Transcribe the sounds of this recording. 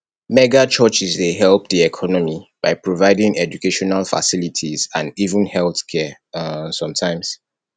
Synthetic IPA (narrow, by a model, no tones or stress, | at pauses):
mɛɡat͡ʃɜt͡ʃizdeɦɛlˠp̚ðiɛkʰɔnɔmib̥aɪpʰɹovaɪdĩŋɛd͡ʒukeʃɔnalfa̰silitʰizãnivə̃nhɛlˠθkʰɛ | sɔ̃mtʰãɪ̃mz̥